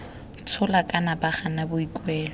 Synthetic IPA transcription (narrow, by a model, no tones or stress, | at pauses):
t͡sʰʊlakʼanabaχanabʊikʼwɛːlɔ